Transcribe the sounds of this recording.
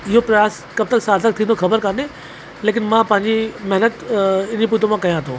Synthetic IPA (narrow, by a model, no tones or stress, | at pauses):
ɪɦopɾɐjaːs | kɐb̚t̪əlsaːɾt̪ək̚t̪ʰĩnd̪oxɐbəɾkaːne | leːk̬ɪnmãpɐ̃ɦɪ̃ɲd͡ʑimɐɦnət̪ɪnd͡ʑip̬uːt̪õmãkɐjãt̪ʰoː